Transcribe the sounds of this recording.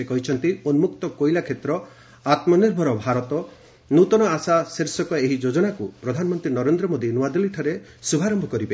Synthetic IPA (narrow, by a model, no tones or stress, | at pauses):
ekɔɦit͡ʃʰɔnt̪ionumuk̚t̪ɔkojlakʰet̪ɾɔ | at̪mɔniɾbʱɔɾɔbʱaɾɔt̪ɔ | nut̪ɔnɔasaseɾsɔkɔeɦid͡ʒod͡ʒɔnakupɾɔd̪ʱanɔmɔnt̪ɾinɔɾend̪ɾɔmod̪inuad̪ɔliʈʰɔɾe | subʱaɾɔmbʱɔkɔɾibe